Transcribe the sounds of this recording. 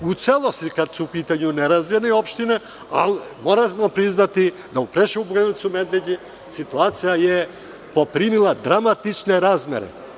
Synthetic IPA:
ut̪sɛlˠost̪ikad̪suupit̪aɲunɛɾazviniopʃt̪inɛ | a̰lmoɾamɔpɾiznat̪i | d̪aupɾɛʃubɡɛnit̪sumɛd̪lɛɟɛ | sit̪uat̪sijajɛ | popɾimilˠad̪ɾamat̪it͡ʃnɛɾazmɛ̰ɾɛ̰

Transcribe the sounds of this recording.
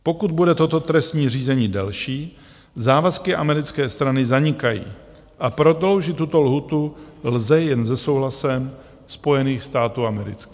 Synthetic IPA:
po̞kud̪̚budɛt̪o̞t̪o̞t̪ɾɛst̪ɲiːr̝iːzɛɲiːdɛlʃiː | zaːvaskɪʔamɛɾɪt͡skɛːst̪ɾanɪzaɲɪkajḭː | ʔapɾo̞d̪lo̞wʒɪt̪ːut̪o̞lɦuːt̪ulzɛjɛnzɛso̞wɦlasɛm | spo̞jɛniːxst̪aːt̪uːamɛɾɪ̰t͡ski̥ː

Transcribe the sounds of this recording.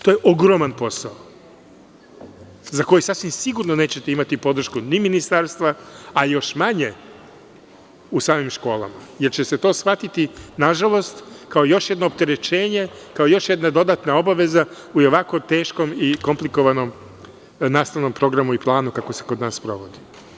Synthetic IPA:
t̪ojeʔoɡɾo̞manpo̞sao | zako̞jisasʋimsiɡuɾnone̞ːt͡ɕet̪e̞imat̪ipo̞d̪ɾ̩ʃkuniminist̪aɾst̪ʋaajo̞ʃmaɲe̞ | usaːmimʃko̞ːlˠa̰maje̞ɾt͡ɕese̞t̪o̞ːsxʋat̪it̪inaʒalˠo̞st̪kaojo̞ʃjed̪noːp̚t̪e̞ɾe̞t͡ʃe̞ːɲe̞kaojo̞ʃje̞d̪nad̪o̞d̪aːt̪nao̞baʋe̞za | ujoʋako̞t̪e̞ːʃko̞miko̞mpliko̞ʋano̞m | naːst̪aʋno̞mpɾo̞ɡɾamuiplˠaːnukako̞se̞kod̪naːspɾo̞̰ʋo̞d̪i

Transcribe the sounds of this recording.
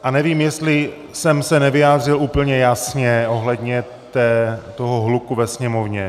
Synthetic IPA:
ʔanɛviːmjɛst̪lɪ | sɛmsɛnɛvɪjaːd̪r̝ɪluːpl̩ɲɛjasɲɛʔo̞ɦlɛd̪ɲɛ | t̪ɛːt̪oɦoɦlukuvɛsɲɛmo̞vɲɛ

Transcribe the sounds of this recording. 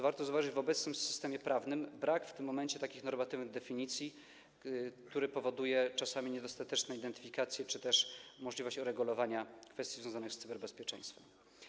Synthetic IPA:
vaɾt̪ɔzuvaʐɘd͡ʑvɔbɛt̪snɘmsɘ̥st̪ɛmʲjɛpɾavnɘmbɾakft̪ɘmːɔmɛɲt͡ɕɛt̪akʲixnɔɾmat̪ɘvnɘɣd̪ɛfʲiɲit̪sʲji | kt̪uɾɘpɔvɔd̪ujɛt͡ʂasamʲiɲɛd̪ɔst̪at̪ɛt͡ʂnɛid̪ɛnt̪ɘ̥fʲikat̪sʲjɛt͡ʂɘt̪ɛʂmɔʐlʲivɔɕt͡ɕɔɾɛɡulɔvaɲakfɛst̪ʲizvjɔ̃w̃zanɘxst̪sɘbɛɾbɛspʲjɛt͡ʂɛ̰j̃st̪fɛm

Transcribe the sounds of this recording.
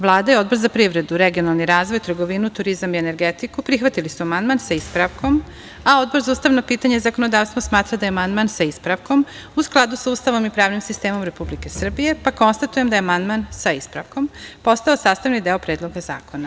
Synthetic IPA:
ʋlˠaːd̪ajeo̞d̪̚bo̞ɾzapɾiʋɾe̞d̪uɾeɡionalˠniɾaːzʋo̞jt̪rɡo̞ʋinut̪uɾizamiene̞ɾɡet̪ikupɾixʋat̪ilisuamand̪̚mansaispɾaʋko̞m | ao̞d̪̚bo̞ɾzauːst̪aʋnopiːt̪aɲezako̞no̞d̪aːʋst̪vosmaːt̪ɾad̪ajeamand̪mansaispɾaʋko̞m | usklˠad̪usauːst̪aʋo̞mipɾaːʋnimsist̪e̞ːmo̞mɾe̞publike̞sr̩bije̞pako̞nst̪at̪ujemd̪aeamand̪mansaispɾa̰ʋko̞mpo̞st̪aosaːst̪aʋnid̪eopɾeːd̪lˠo̞ɡaza̰ːko̞na

